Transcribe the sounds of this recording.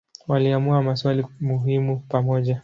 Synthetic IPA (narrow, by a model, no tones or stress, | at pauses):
waliamuamaswalimuɦimupamɔʄa